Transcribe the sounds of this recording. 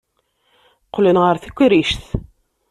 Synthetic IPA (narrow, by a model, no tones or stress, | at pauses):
qlənʁəɾθikʷːɾiʃθ